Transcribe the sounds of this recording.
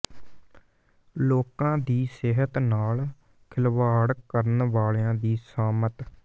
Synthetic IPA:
loːkãːd̪iːsɪɦət̪naːl | kʰɪlʋaːɽkəɾənʋaːɭeãːd̪iːsaːmət̪

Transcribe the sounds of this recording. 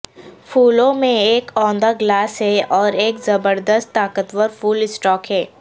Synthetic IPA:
fuːlõmẽeːkɔ̃ːnd̪aɡlaːsɦɛɔːɾeːkzɐbəɾd̪əst̪ːaːkət̪wəɾfuːlɪsʈɔːkɦɛː

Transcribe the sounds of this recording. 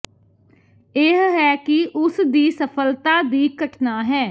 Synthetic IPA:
eɦɦɛːkɪʔʊsd̪iːsəpʰəlt̪aːd̪iːkəʈnaːɦɛː

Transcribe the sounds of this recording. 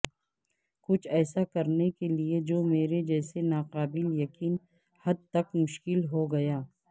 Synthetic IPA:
kʊt͡ʃʰɛːsakɐɾnekelied͡ʒoːmeːɾed͡ʒɛːsenaːqaːbɪljɐkiːn | hɐd̪̚t̪ɐkmʊʃkɪlɦoɡɐjaː

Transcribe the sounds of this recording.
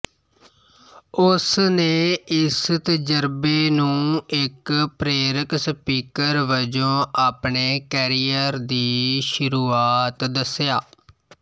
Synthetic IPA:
ʊsneːɪst̪əd͡ʒəɾbeːnũːɪkpɾeːɾəkspiːkəɾʋəd͡ʒõːʔaːpɳeːkɛːɾijəɾd̪iːʃʊɾuːaːt̪d̪əsjaː

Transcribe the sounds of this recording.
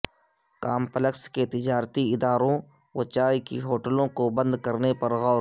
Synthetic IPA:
kaːmpələksket̪ɪd͡ʒaːɾt̪iɪd̪aːɾõ | wət͡ʃaːjkiɦoːʈəlõkobɐ̃nd̪kɐɾnepɐɾɣɔːɾ

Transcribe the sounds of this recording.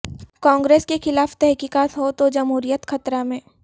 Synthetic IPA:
kãːŋɡɾeːskexɪlaːft̪ɛɦkiːkaːt̪ɦot̪od͡ʒɐmɦuːɾijət̪xɐt̪ɾamẽː

